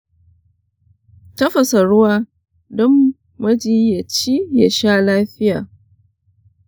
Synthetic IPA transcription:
tɐ˦ɸɐ˨sɐ˨ɽʊ˦waː˦ | dɔ˦mː | ɐ˦d͡ʒiː˦ja˨t͡ʃi˦ja˨ʃaː˦laː˦ɸɪ˦jaː˨

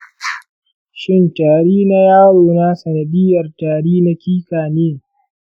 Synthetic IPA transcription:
ʃɪ˦˨ntaː˨ɽiː˦na˦jaː˦ɽoː˨na˦sɐ˨nɐ˨ɗɪ˦jɐ˨rtaː˨ɽiː˦na˦kʲiː˦kaː˨neː˦

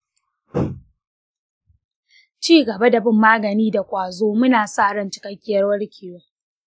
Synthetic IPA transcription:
t͡ʃiː˦˨ɡɐ˨ba˦da˨bɪ˦mːaː˦ɡɐ˨niː˦da˨kʷʼaː˨zoː˦mʊ˦naː˨sa˦ʔɽɐ˦˨nt͡ʃɪ̥˨kɐ˦kʲːɪ˦jɐ˦rwɐ˦ɽkʲɪ˨joː˦

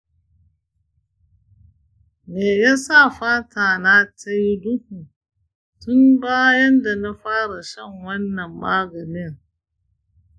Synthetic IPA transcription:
meː˨jaː˦sa˦˨ɸaː˦tʰaː˨na˦ta˦jdʊ˦hu˨ | tʊ˦mbaː˦jɐ˦nda˨na˦ɸaː˦ɽa˨ʃɐ˦˨ŋwɐ˦nːɐ˨mːaː˦ɡɐ˨nɪ˦ŋ

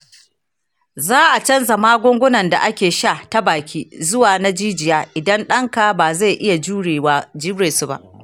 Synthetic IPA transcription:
zaː˦ʔa˨t͡ʃɐ˦nzɐ˨maː˦ɡʷʊ˦ŋɡʷʊ˦nɐ˨nda̰˨ʔa˦kʲeː˨ʃa˦˨ta˦baː˨kʲiː˦zʊ˦waː˨na˦d͡ʒiː˦d͡ʒɪ˨jaː˦ʔʔɪ˨dɐ˦nɗɐ˦ŋka˨baː˨za˦˨ʔɪ˦ja˨d͡ʒeː˨˦d͡ʒiː˦ɽeː˨su˨ba̰˦ʔ

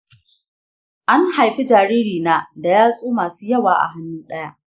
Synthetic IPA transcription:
ʔa˦ŋha˨jɸi˦d͡ʒaː˨ɾiː˦ɾiː˨naː˦da˨jaː˦sʼoː˦maː˨suː˦jɐ˦waː˨ʔa̰˨ɦa˨nːuː˦ɗɐ˦ja˦ʔ

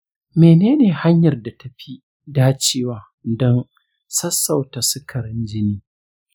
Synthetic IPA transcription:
meː˨neː˦neː˨ha˦ɲjɐ˨rda˨ta˨ɸi˦ | daː˦t͡ʃeː˦waː˦ | dɔ˦n | sɐ˦sːɐ˨wta˨sʊ˦kʰɐ˨ɾɪ˦nd͡ʒɪ˦niː˦

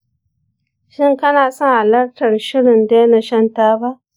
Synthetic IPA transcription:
ʃɪ˦˨ŋkɐ˦naː˨sɔ˦ŋha˨lɐ˦rtɐ˨rʃɪ˦ɽɪ˨nda˦na˨ʃɐ˦ntaː˦ba˦ʔ

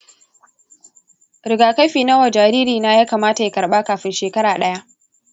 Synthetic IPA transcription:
ɾɪ˨ɡaː˨ka˦jɸiː˨nɐ˦wa˨d͡ʒaː˨ɾiː˦ɾiː˨na˦jaː˦kaː˨maː˦ta˨ja˦kɐ˨ɽɓaː˦kaː˨ɸɪ˦nʃeː˨kɐ˦ɾaː˨ɗɐ˦ja˦ʔ

